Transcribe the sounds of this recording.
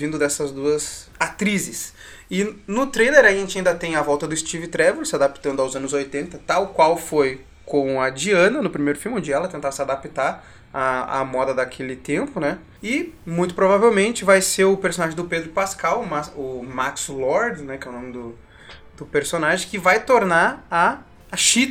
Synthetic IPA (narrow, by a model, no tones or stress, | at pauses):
vĩnd̪ʊd̪ɛsɐzd̪uɐzat̪ɾizɪs | ɪnʊt̪ɾejleɾaʒẽnt͡ʃɪaĩd̪ɐt̪ẽj̃avɔwt̪ɐd̪ʊɪst͡ʃivɪt̪ɾɛvuɾsɪad̪apt̪ɐ̃ndʊawzɐ̃nʊzojt̪ẽnt̪ɐt̪awkwawfoj | kõw̃ɐd͡ʒiɐ̃nɐnʊpɾimejɾʊfiwmõd͡ʒɪɛlɐt̪ẽnt̪asɪad̪apit̪aɾ | aa̰mɔd̪ɐd̪akʰelɪt̪ẽmpʊnɛ | ɪmũj̃t̪ʊ̥pɾovavewmẽnt͡ʃɪvajseɾʊpeɾsõnaʒẽd̪ʊped̪ɾʊpaskawmaʊmakslɔɾd̪nɛkɛʊnõmɪd̪ʊ | d̪̥ʊpeɾsonaʒẽj̃kɪvajt̪oɾnaɾɐː | ʃit̪